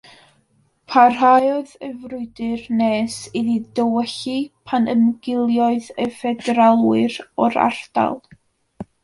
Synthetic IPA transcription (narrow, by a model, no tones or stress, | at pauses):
pʰarɦajɔðəvrʊɨdɨrneːsiðidəwɛɬipʰanəmɡɪlˠjɔɨðəfɛdɛɾalˠwɨɾɔɾa̰r̥d̥a̰lˠ